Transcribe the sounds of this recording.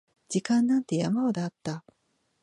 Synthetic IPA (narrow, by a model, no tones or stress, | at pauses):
d͡ʑikãnːãnt̪e̞jamaod̪eːt̪ːa